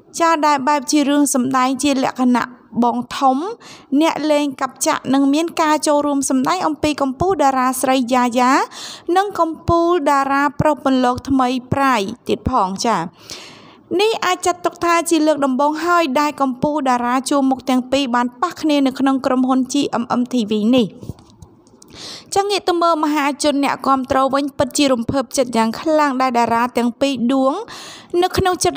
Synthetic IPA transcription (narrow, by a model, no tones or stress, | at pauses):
t͡ɕaːɗaɛlɓaɛp̚t͡ɕiəɾɨəŋsɑmɗaɛŋt͡ɕiəlɛ̆əʔkʰana̰ʔɓɑːŋt̪ʰumnɛ̆əʔleːŋkap̚t͡ɕa̰ʔnɨŋmiənkaːt͡ɕoːlruəmsɑmɗaɛŋʔɑmpiːkɑmpuːlɗaːɾaːsrəjjaːjaːnɨŋkɑmpuːlɗaːɾaːprohponlɔːk̚t̪ʰməjpraːjt̪iət̪̚pʰɑːŋt͡ɕaː | nihʔaːc̚t͡ɕat̪ːʊk̚t̪ʰaːt͡ɕiələːk̚ɗɑmɓoːŋɦaəjɗaɛlkɑmpuːlɗaːɾaːt͡ɕuəmuk̚t̪ɛ̆əŋpiːɓaːnpahkʰniənɨwkʰnoŋkromɦʊnt͡ɕiːʔəmʔəmt̪ʰiːʋiːnih | t͡ɕaːŋiəʔt̪uməːməɦaːt͡ɕʊ̆ənːɛ̆əʔkŏəmt̪rɔːʋɨɲpɨt̪̚t͡ɕiəɾumpʰəp̚t͡ɕət̪̚jaːŋkʰlaŋɗaɛlɗaːɾaːt̪ɛ̆əŋpiːɗuəŋnɨwkʰnoŋt͡ɕət̪̚